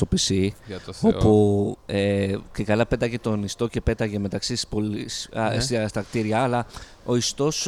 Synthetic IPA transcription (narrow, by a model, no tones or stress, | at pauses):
opisio̞puece̞kɐlɐpe̞t̪ɐʝe̞t̪o̞nist̪o̞ce̞pe̞t̪ɐʝe̞me̞t̪ɐksisi̥spolissɐst̪ɐkt̪iɾiɐːlɐ | o̞ist̪o̞s